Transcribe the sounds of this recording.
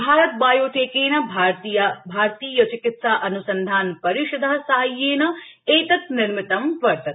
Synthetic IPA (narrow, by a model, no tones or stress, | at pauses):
bʱaːɾɐt̪̚baːjoːʈʰeːkeːnɐbʱaɾt̪ijɐbʱaːɾt̪iːjɐt͡ʃikɪt̪saʔɐnusɐnd̪ʱaːnpɐɾiʃɐd̪ʱɐɦɐsɐɦɐjːeːnɐ | eːt̪ɐt̪nɪɾmɪt̪ɐmʋɐɾt̪ɐt̪